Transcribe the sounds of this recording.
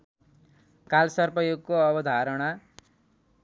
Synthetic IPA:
kalsʌrpʌjoɡkːoʌbʌd̪ʱaɾʌɽ̃a

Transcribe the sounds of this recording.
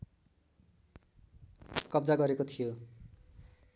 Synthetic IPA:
kʌbd͡zaɡʌɾekot̪ʰijo

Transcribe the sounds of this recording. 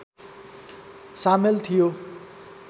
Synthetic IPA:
samelt̪ʰijo

